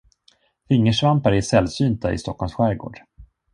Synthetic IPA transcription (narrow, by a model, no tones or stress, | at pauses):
fɪŋːəʂvampaɾæʂɛlsyːnt̪aɪ̰st̪ɔkʰːɔlmsɧæːɾɡo̰ːɖ̥